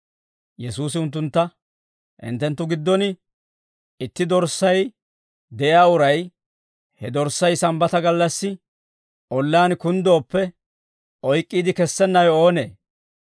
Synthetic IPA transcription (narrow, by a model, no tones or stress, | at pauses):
jɛsuːs̬ɪʊnt̪̬ːʊnt̪ːɐ | ʔɪ̰nt̪ːɛnt̪ːʊɡɪd̪ːɔnɪ | ɪt̪ːɪd̪ɔɾsːɐj | d̪ɛʔjaːʊɾɐj | hɛd̪ɔɾsːɐjsɐmbɐt̪ɐɡɐlːɐsːɪ | ʔɔlːaːnkʊnd̪o̞ːpːɛ | ʔɔjkʼːiːd̪ɪkɛsːɛnːɐjoːnḛː